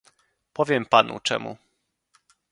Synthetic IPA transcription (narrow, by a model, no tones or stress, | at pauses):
pɔvʲjɛmpanṵt͡ʂɛ̰mṵ